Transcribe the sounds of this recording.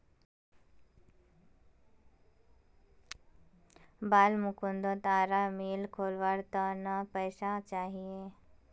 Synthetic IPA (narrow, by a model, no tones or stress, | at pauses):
baːlmukũnd̪ot̪aːɾameːlkʰoːlʋaːɾt̪ənəpəɪsat͡ʃaːɦie